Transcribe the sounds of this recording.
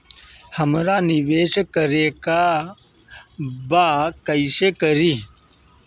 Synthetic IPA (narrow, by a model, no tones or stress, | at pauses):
həmɾaːniʋeːɕkəɾeka | bakəjɕekəɾi